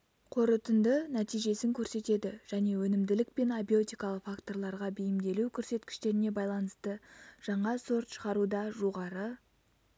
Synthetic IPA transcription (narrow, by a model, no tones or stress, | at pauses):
qʰo̞ɾət̪ənd̪ənæt̪ijʒe̞sɪŋkʲʰɵɾse̞t̪e̞d̪ɪʒ̥æne̞wɵnɪmd̪ɪlɪk̚pe̞nabio̞t̪ijkɑlˠəqfakt̪o̞rlˠɑɾʁɑbejɪmd̪e̞lukʲʰɵɾse̞t̪kʲɪ̥ʃt̪e̞ɾɪne̞bɑjlˠɑnəst̪əʒ̥ɑɴɑso̞ɾt̪ʃəʁɑɾud̪ɑʒoʁɑɾə